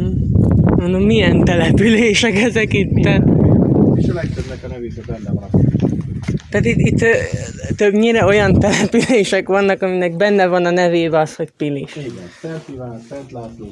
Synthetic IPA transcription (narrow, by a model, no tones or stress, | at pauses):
onommijɛnt̪ɛlɛpyleːʃɛkɛzɛkit̪ːɛ | eʃlɛkt̪øbnɛkɒnɛveːʃɛbɛnːɛvɒn | t̪æaːt̪it̪ːit̪ːt̪øbɲiɾɛo̞jɒnt̪ɛlɛpyleːʃɛkʋɒnːɒkɒminɛɡ̚bɛnːɛvɒnɒnɛveːbɛɒsho̞ɟpiliʃɡɛɛɛt̪laːt̪oː